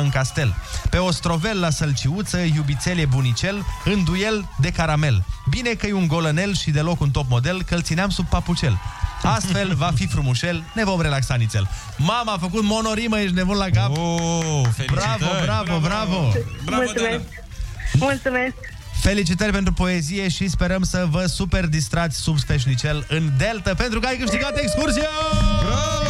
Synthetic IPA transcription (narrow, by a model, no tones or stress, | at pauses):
ɨnŋkast̪e̞lpe̞o̞st̪ɾo̞ve̞lːasəlt͡ʃiut̪səjubit̪se̞lebunit͡ʃe̞lɨnd̪uje̞ld̪e̞kaɾame̞lbine̞kəjuŋɡo̞ləne̞lʃid̪e̞lo̞kunt̪o̞p̚mo̞d̪e̞lkəlt̪sineamsub̚pːaput͡ʃe̞last̪fe̞lvafifɾumuʃe̞lne̞vo̞mɾe̞laksanit̪sʲel | mamaafək̬ut̪mo̞no̞ɾimait͡ʃne̞bunlakap | bɾavobɾavobɾavommultsumes | mult̪sume̞sk | fe̞lit͡ʃit̪ərʲpe̞nt̪ɾupo̞e̞zije̞ʃispe̞ɾəmsəvəsupe̞rd̪ist̪ɾat̪sʲsubst̪eʃ̬nit͡ʃe̞lɨnd̪e̞lt̪əpe̞nt̪ɾukəajkɨʃt̪iɡat̪ekskursia